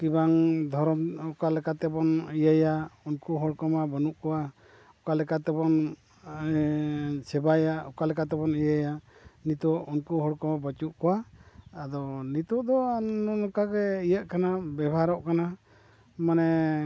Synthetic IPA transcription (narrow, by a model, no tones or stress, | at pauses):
kibaŋd̪ʱɔɾɔmɔkalɛkat̪ɛbɔnijəjaunkuɦɔɽkɔmabɔnuʔkɔwa | ɔkalɛkat̪ɛbɔn | sɛbajaɔkalɛkat̪ɛbɔnijajanit̪ɔunkuɦɔɽkɔmabət͡ʃuʔkɔwaad̪ɔnit̪ɔʔd̪ɔnɔnɔkaɡɛijəʔkanabɛbʱaɾɔʔkana | manɛ